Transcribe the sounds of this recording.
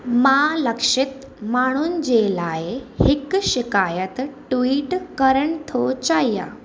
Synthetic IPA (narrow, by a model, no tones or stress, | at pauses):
maləkʂit̪ | maɽ̃uːnd͡ʑelaehikɕikajət̪ʈʋiːʈkəɾəɳt̪ʰot͡ɕajja̰